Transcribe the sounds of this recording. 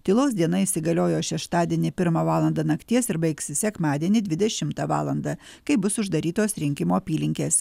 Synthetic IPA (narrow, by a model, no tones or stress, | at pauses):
t̪ʲɪlˠoːsd̪ʲiɛnɐɪsʲɪɡɐlʲoːjoːʃʲɛʃt̪ɑːd̪ʲiɛnʲɪpʲɪɾmɐʋɑːlˠɐnd̪ɐnɐkt̪ʲiɛsɪɾbɐɪksʲɪsʲɛkmɑːd̪ʲiɛnʲɪd̪ʲʋʲɪd̪ʲɛʃʲɪmt̪ɑʋɑ̰ːlˠɐnd̪ɐ | kɐɪbʊsʊʒd̪ɐɾʲiːt̪oːsɾʲɪŋʲkʲɪmoːpʲiːlʲɪŋʲkʲeːs